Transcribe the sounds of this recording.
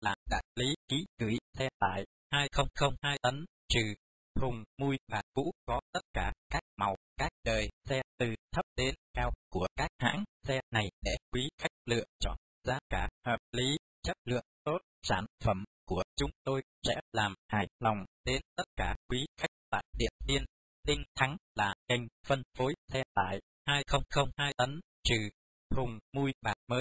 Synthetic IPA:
laː˨˩mɗa̰ː˧˨jli˨˦kḭ˨˦kɨ˧˩jsɛ˧t̪a̰ː˧˨j | haː˧jxə˧wŋ͡mxə˧wŋ͡mhaː˧jt̪ə˨˦n | t͡ɕɨ˨˩ | hʊ˨˩ŋ͡mmu˧jɓaː˨˩kṵ˧˥kɔ˨˦t̪ə˦˥t̚kaː˧˩kkaː˦˥k̚ma˨˩wkaː˦˥k̚ɗəː˨˩jsɛ˧t̪ɨ˨˩t̪ʰə˦˥p̚ɗ̪e˧˦nkaː˧wku˧˩əkaː˦˥k̚ha̰ː˧˥ŋsɛ˧na˨˩jɗɛ˧˩˥jkwi˨˦xa˦˥jk̚lɨ̰˧˨əŋt͡ɕɔ˧˩ | zaː˧kaː˧˩həː˨˩p̚li˨˦ | t͡ɕə˦˥p̚lɨ̰˧˨əŋt̪o˦˥t̚saː˧˩nfə˧˩mku˧˩ət͡ɕʊ˧ŋ͡mt̪o˧j | sɛ̰˧˥laː˨˩mha̰ː˧˩jlɔ˨˩wŋ͡mɗe˧nt̪ə˦˥t̚kaː˧˩kwi˨˦xa˦˥jk̚t̪a̰ː˧˨jɗḭ˧˨ənɗi˧ən | ɗ̪ï˧ŋ̟t̪ʰa˨˦ŋlaː˨˩ŋə˧˩jŋ̟fə˧nfo˨˦jsɛ˧t̪a̰ː˧˩˨j | haː˧jxə˧wŋ͡mxə˧wŋ͡mhaː˧jt̪ə˨˦n | t͡ɕɨ˨˩ | hʊ˨˩ŋ͡mmu˧jɓaː˨˩t̚məː˨˦j

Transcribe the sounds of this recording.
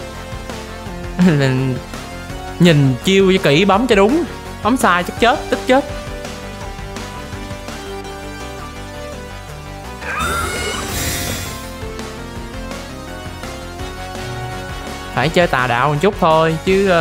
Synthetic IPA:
ɲi˨˩ŋt͡ɕi˧əwt͡ɕɔ˧ki˧˩ɓɔ˨˦mt͡ɕɔ˨˧ɗʊ˨˦ŋ͡m | ɓɔ˨˦ŋ͡msaː˧jt͡ɕə˦˥k̚t͡ɕe˦˥t̚t̪i˦˥k̚t͡ɕe˦˥t̚ | faː˧˩jt͡ɕəː˧jt̪a̰ː˨˩ɗa̰ː˧˨wŋt͡ɕʊ˦˥k͡p̚t̪ʰo˧jt͡ɕɨ˨˦

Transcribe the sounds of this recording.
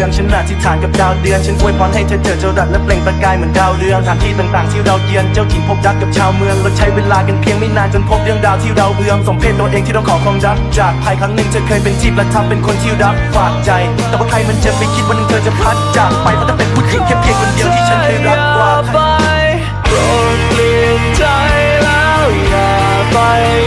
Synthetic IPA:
ɨ˧˩˧əŋt͡ɕə˧˦nlaː˨˧˩t͡ɕi˧˩t̪sʰaː˨˩nkə˨˩p̚ɗaː˧˩wɗɨ˧˩ənt͡ɕə˧nku˧əjkwaː˨˦nhe˨˧˩t͡ɕəː˧˦t͡ɕəː˨˩t͡ɕəː˧˩zaː˨˩lə˦˥t̚lɛ˨˧˩ŋa˧˥t̚kaː˧jmə˧˩˦nɗaː˧˩wɗɨ˧əŋt̪ʰaː˨˦ŋt̪ʰiː˧˩t̪ɨ˨˧˩ŋt̪aː˨˩ŋt̪ʰi˧əwɗa˨˧˩wt̪i˧ənt͡ɕə˧wt͡ɕi˨˩mhʰo˨˧˥p̚zaː˧˥k̚kːə˨˩p̚t͡ɕʰaː˧wmɨ˧əŋləː˨˧˥t̪̚ʰa˧˩jwe˧nlaː˧˩jka˨˧˩ŋpʰi˧əŋmi˧˥naː˧˩nt͡ɕɔ˧˦npʰo˨˥p̚ɗɨ˧əŋɗaː˨˧˩wt̪ʰi˧wɗa˨˧˩wɓɨ˧əŋso˨˦ŋ͡mpʰe˧n̚t̪oː˨˩j̚ʔɗe˧t̪ʰi˧ɗɔ˧˥ŋ͡mkʰɔ˨˩kʰɔ˧˩ŋzaː˧˦˧t͡ɕaː˨˩k̚p̪ʰaː˧˩jkʰaː˨˦ŋnɨ˧ŋt͡ɕəː˧jkʰəː˧˩jpe˧˩nt͡ɕʰiː˦˥p̚la˨˩t̚t̪ʰa˧˥mpe˧nkʰo˧nt̪ʰi˧əwɗaː˨˧˩p̚kwaː˨˧˩t͡ɕa˧˩jt̪ɛː˨˩wa˧˦˩t̪ʰa˧jmɨ˧˥nt͡ɕə˧˥˩p̚pi˧˩kʰi˦˥t̚waː˧nɨ˧ŋt̪ʰəː˧t͡ɕa˧˩p̪ʰa˧˥˩t̚t͡ɕaː˨˧˩kma˧jmaː˧˩a˧pe˧˩nkʰu˦˥t̚ki˧˩ŋkʰːpʰi˧əkːɔ˧ni˨˧˦nt̪ʰːt͡ɕʰə˨˦˥kʰːɾɔ˧˦˥waː˧˩ba˧ | j | ɾo˧˩ | t̚li˧ənt͡ɕa˧j | laː˧ | aː˨˧ | ba˧j

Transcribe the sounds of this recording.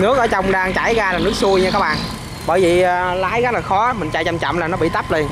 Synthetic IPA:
nɨ˦˥ək̚ʔəː˧˩t͡ɕa˧wŋ͡mɗaː˧ŋt͡ɕa˧˩jɣaː˧laː˨˩nɨ˦˥ək̚su˧əjɲaː˧kaː˦˥k̚ɓa̰ː˧˨n | ɓəː˧˩jvi˨˩ʔlaː˨˦jɣa˦˥t̚laː˨˩xɔ˨˦˨mï˨˩ŋ̟t͡ɕa̰˧˨t͡ɕa˧˨mt͡ɕɔ̰˧˨mlaː˨˩nɔ˨˦ɓḭ˧˨t̪a˦˥p̚le˧n

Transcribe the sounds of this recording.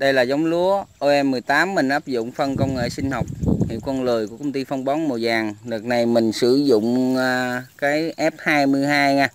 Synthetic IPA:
ɗə˧jlaː˨˩za˨˦wŋ͡mlu˨˦əʔo˧ʔɛ˧mːɨ˨˩əjt̪aː˨˦mːï˨˩ŋ̟ʔaː˦˥p̚zʊ̰˧˨ŋ͡mfə˧nkə˧wŋ͡mŋḛ˧˨sï˧ŋ̟hɔ˨˩wk͡p̚hḭ˧˨wkɔ˧nlɨ˨˩əjku˧˩əkə˧wŋ͡mt̪i˧fɔ˧wŋ͡mɓɔ˨˦nmo˨˩zaː˨˩ŋlɨ˨˩ək̚na˨˩jmï˨˩ŋ̟sɨ˧˩zʊ̰˧˨ŋ͡mː | kaː˨˦jʔɛ˦˥p̚haː˧jmɨ˧əjhaː˧jŋaː˧

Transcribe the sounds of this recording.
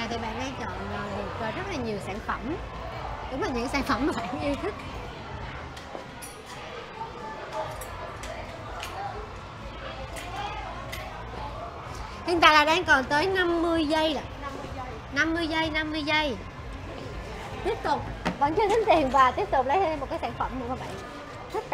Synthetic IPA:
a˨˩t̪ʰi˨˩ɓa̰ː˧˨nɗaː˧ŋt͡ɕɔ̰˧˨nə˨˩˨t̚zəː˨˩zə˦˥t̚laː˨˩ɲi˨˩əwsaː˧˩ŋfə˧˩m | ɗʊ˨˦ŋ͡mlaː˨˩ɲɨ̰˧˥saː˧˩nfə˧˩maː˨˩ɓa̰ː˧˨nʔi˧t̪ʰi˦˥k̚ | hŋt̪a̰ː˧˩laː˨˩ɗaː˧ŋkɔ˨˩nt̪əː˨˦jna˧mːɨ˧əjzə˧jla˨˩˧ | na˧mːɨ˧əjzə˧jna˧mːɨ˧əjzə˧j | t̪i˦˥əp̚t̪ʊ˨˩k͡p̚ɓa̰ː˧˨nt͡ɕɨ˧t̪i˨˦ŋ̟t̪i˨˩ənvaː˨˩t̪i˦˥əp̚t̪ʊ˨˩k͡p̚lə˨˦jə˧mo˨˩t̚kaː˨˦jsaː˧˦ŋfə˧˩mnu˨˧˦maː˨˩ɓa̰ː˧˨ŋ | t̪ʰt̚

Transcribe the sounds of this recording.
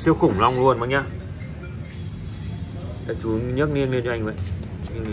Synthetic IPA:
si˧əwxʊ˨˧˩ŋ͡mla˧wŋ͡mlu˧ənma˨˦ɲaː˧ | la˧˩t͡ɕu˨˦ɲə˦˥t̚ni˧nmi˧nt͡ɕɔ˧ʔa˧ŋ̟və̰˧˨j

